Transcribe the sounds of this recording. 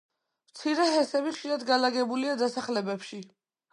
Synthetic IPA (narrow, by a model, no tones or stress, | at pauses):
mt̪sʰiɾɛɦɛsɛβiχʃiɾad̪ɡalaɡɛbuliad̪asaχlɛbɛpʃi